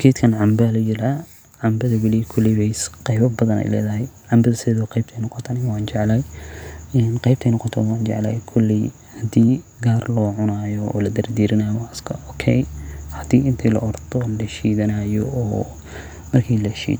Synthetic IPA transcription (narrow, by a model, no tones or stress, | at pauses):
kʰɛːt̪kʰɐnʕɑmbɐlɐjɪɾɐ | ʕɑmbɐðɐwɪlijɛkʰʊlːɪwɛjsqɛjβɐbɐðɐnɛ̰jlɛ̰ːðɐɦɛjʕɑmbɐðɐsɪɛːðʊqɑjb̚tʰɛjnɔqɔt̪ʰːnɪjwaːnt͡ʃɛʕlaj | ɛnqɑjb̚t̪ʰɛjnɔqɔt̪ʰɔwaːnt͡ʃɛ̰ʕlɐ̰ːjkʰʊlːi | hɐd̪iː | ɡaːrlɔːʕʊnaːjɔɔ̰ːlɐd̪ɐrd̪iːɾɪnajɔɐskʰɐʔɔːkʰɛjhɐd̪iːɪnt̪ʰiːlɐ̰ʔɔrt̪ʰɔlɛʃiːðɐnajɔɔː | mɐrkʰiːlɐʃḭːd̪